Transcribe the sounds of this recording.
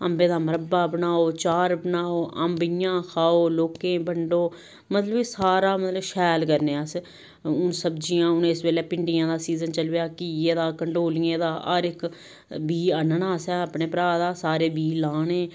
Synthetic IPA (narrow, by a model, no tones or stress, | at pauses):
əmbẽːd̪aːməɾəbaːbənaːoːt͡ʃaːɾbənaːoːʔəmbijãːkʰaːoːloːkẽːbəɳɖoː | mət̪ləbiːsaːɾaːmət̪ləbʃɛːlkəɾneːas | ʊnsəbd͡ʒijãːʊnːɪsʋeːleːpɪɳɖɪjãːd̪aːsiːzənt͡ʃəlʋejaːkiːeːd̪aːkəɳɖoːlɪjẽːd̪aːʔəɾɪk | biːənəɳaːsɛ̃ːəpɳeːpɾaːd̪aːsaːɾeːbiːlaːnẽː